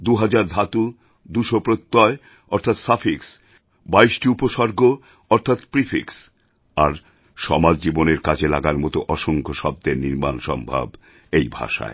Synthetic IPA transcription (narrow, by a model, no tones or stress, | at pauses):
d̪uɦad͡ʑaɾd̪ʱat̪u | d̪uʃopɾot̪ːɔe | ɔɾt̪ʰat̪safiks | baiʃʈiupoʃɔɾɡo | ɔɾt̪ʰat̪pɾifʰiks | aɾ | ʃɔmad͡ʑd͡ʑiboneɾkad͡ʑʰelaɡaɾmɔt̪oʔɔʃoŋkʰoʃɔb̚d̪eɾniɾmanʃɔ̰mbʱa̰b | ejbʱa̰ʃa̰e